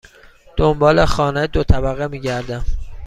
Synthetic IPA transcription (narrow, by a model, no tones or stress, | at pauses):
d̪̥ombɒːlexɒːnæjd̪ot̪ʰæbæɣemiːɟæɾd̪æm